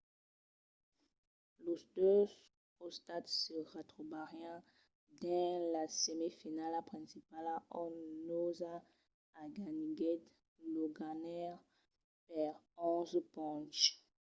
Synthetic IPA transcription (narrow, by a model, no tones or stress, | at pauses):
losd̪øs | kɔ̃st̪at̪səʁat̪χobaʁjã | d̪ɛ̃lasemefinalapχɛ̃sipalaɔ̃nozaː | ɡaniɡɛt | loɡanɛʁ | pɛʁɔ̃zpɔ̃t͡ʃ